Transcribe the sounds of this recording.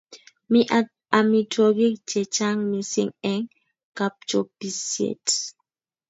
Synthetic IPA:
miʔa | a˨mi˨twɔ˨ɡi˦kt͡ʃɛ˨t͡ʃa˦ŋmi˨sḭ˦ŋɛ˦ŋ | ka˨p̚t͡ʃopi˨sjḛ˨t

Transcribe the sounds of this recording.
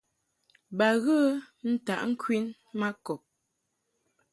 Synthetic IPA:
ba˨ɣə˦ | n̩˦ta˨ʔŋ̩˦kwi˦n | ma˦kɔ˨p̚

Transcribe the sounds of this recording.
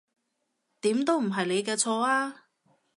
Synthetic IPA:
t̪iː˨˥mt̪o˥wm̩˨˩ɦɐ˨jle˨˧jkɛː˧t͡sʰɔː˧aː˥

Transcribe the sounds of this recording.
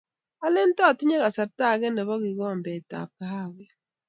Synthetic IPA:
a˦le˦n˦tɔ˦˨ti˦ɲe˦ɣa˨sa˨ta˦˨ɣɛ˦nɛ˨βɔ˦ɡi˨ɡɔ˦˨mbɛ˨ta̰˨p̚ka˨ha˦˨ɡɛ˦

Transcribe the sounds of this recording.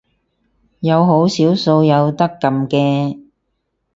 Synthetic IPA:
jɐ˨˧wɦo˨˥wsiː˨˥wso˧wjɐ˨˧wt̪ɐ˥kːɐ˨˧mkɛː˧

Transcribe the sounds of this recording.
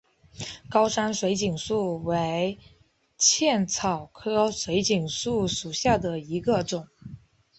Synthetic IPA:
kɑ˥ʊʂa˥nʂwe˧˥ɪt͡ɕi˨˩ŋsu˥˩we˧˥ɪ | t͡ɕʰjɛ˥˩nt͡sʰɑ˨˩ʊkʰɤ˥ʂwe˧˥ɪt͡ɕi˨˩ŋsu˥˩ʂu˨˩ɕja˥˩d̪ə˩i˧˥ɡə˧ʈ͡ʂʊ˨˩˦ŋ

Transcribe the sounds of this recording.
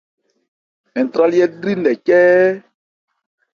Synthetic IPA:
ɛ˨t̪ɾa˦li˦ɛ˦dɾi˦n̩ɛ˨cɛ˦

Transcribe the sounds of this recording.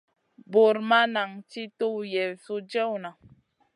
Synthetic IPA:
bo˨ɾma˦na˨ŋti˦to˦wjɛ˨su˦d͡ʒɛ˦wna˨

